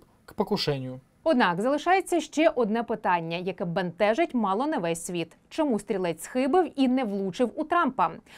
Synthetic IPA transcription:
kpɔkʊʃɛnʲjʊ | ɔd̪nɑkzɐlˠɪʃɑjet͡sʲːɐʃt͡ʃɛʔɔd̪nɛpɪt̪ɑnʲːɐjɐkɛbɐnt̪ɛʒɐtʲmɑlˠɔnɐʋɛsʲsʲʋʲit̪ | t͡ʃɔmust̪ʲɾʲilˠɛtʲsxɪbɪwinɛʋlˠut͡ʃɪwut̪ɾɑmpɐ

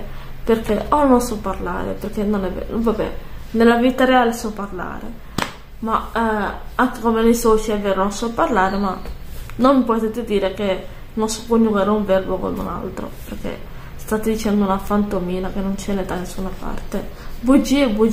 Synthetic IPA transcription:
perkeʔɔnonsɔpːaɾla̰ːɾḛperkenonɛvɛ̰nonvabɛ̰nelavit̪aɾeaːlesɔpːarla̰ːɾḛ | ma | aŋkekomenejsɔːt͡ʃiɛveːɾononsɔpːaɾlaːɾemanonmipɔt̪et̪ːed̪iːɾeke | nonsɔ̥pːonuɡaɾeuɱvɛrboko̰nṵna̰lt̪ɾo̰perkḛ | st̪at̪ːed̪it͡ʃɛnd̪ounafant̪omiːnakenːont͡ʃɛned̪anesːunapa̰rt̪ebod͡ʒibud͡ʒ

